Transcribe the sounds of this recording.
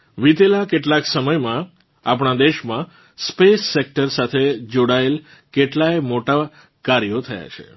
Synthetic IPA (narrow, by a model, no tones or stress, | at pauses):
ʋit̪elakeʈlaksəməjmã | ap̬ɳ̃ad̪eʃmã | spesːek̚ʈəɾsat̪ʰed͡ʒoɽael | keʈlajmoʈa | kaɾjot̪ʰəja̰t͡ʃʰḛ